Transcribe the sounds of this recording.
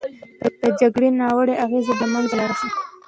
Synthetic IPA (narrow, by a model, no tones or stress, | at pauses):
d̪̥əd͡ʒaɡɽenɑwəɽeʔaɣezed̪əmanɡlaɾaʃi